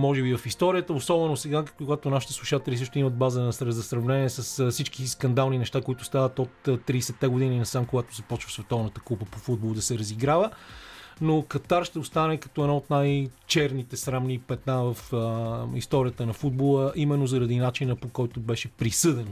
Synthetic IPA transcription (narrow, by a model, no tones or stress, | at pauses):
mɔʒɛbivɐfist̪ɔɾiət̪əosɔbɛnosɛɡakoɡat̪onaʃi̥t̪ɛslˠuʃat̪ɛlʲisɤʃt̪ʊiməd̪̚bazənɐsɾzɐsɾɐvnɛniɛsəssit͡ʃkiskɐnd̪alˠninɛʃt̪akoit̪ʊst̪avət̪ot̪ːt̪ːɾiːsɛt̪ːɛɡod̪ininɐsamkoɡat̪o̥zɐpɔt͡ʃvəsvɛt̪ɔvnət̪ə̥kupəpofud̪̚bolˠd̪ɐsɛɾɐziɡɾavə | nokɐt̪aɾʃt̪ɛost̪anɛkɐ̥t̪ɔɛd̪naot̪najt͡ʃɛɾnit̪ɛsɾamnipɛt̪navɐfəist̪ɔɾiət̪ənɐfud̪̚bolˠəʔimɛnːozɐɾɐd̪inat͡ʃinəpokɔjt̪obɛʃɛpɾisɤd̪ɛn